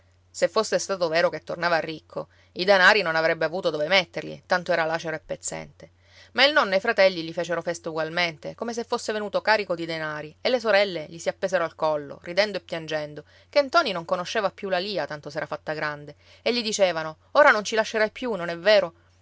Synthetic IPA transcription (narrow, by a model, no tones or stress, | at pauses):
sefːosːest̪aːt̪oveːɾoket̪ːornaːvaːrːikʰːo̰ | id̪enaːɾinonavɾɛbːeavuːt̪od̪ovemet̪ːerlḭt̪ant̪oɛːɾalaːt͡ʃeɾoepːet̪sːɛ̰nt̪e | mailnɔnːoajfɾat̪ɛlːiʎifeːt͡ʃeɾofɛst̪auɡwalment̪ekomes̬efːosːevenuːt̪okaːɾikod̪id̪enaːɾielːes̬oɾɛlːeʎisiapːeːszeɾoalkɔlːo̰rid̪ɛnd̪oepːjand͡ʒɛnd̪o | kent̪ɔːninoŋkonoʃːeːvapːjulaliːat̪ant̪osɛːɾafat̪ːaɡɾand̪e | eʎːid̪it͡ʃeːvano | oːɾanont͡ʃilaʃːeɾajpjunonɛvːeːɾo